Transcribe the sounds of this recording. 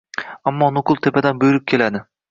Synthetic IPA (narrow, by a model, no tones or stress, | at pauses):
amːɒːnʊqʰʊlˠt̪ʰepʰad̪anbojɪɾɪk̚ʲkʲʰe̞lad̪ɪ